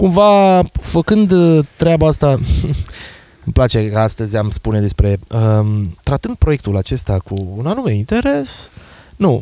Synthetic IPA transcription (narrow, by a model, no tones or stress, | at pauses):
kumvafəkɨnd̪t̪ɾeabaast̪a | ɨmplat͡ʃe̞ast̪əzʲamspune̞d̪e̞spɾe̞ət̪ɾat̪ɨnd̪̚pɾo̞jekt̪ulat͡ʃe̞st̪akuːnanume̞int̪e̞ɾe̞s | nu